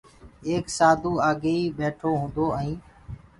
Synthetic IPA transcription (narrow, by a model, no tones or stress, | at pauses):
eːksaːd̪ʱuːaːɡeːiːbeːʈʰoːɦũːnd̪oːəĩː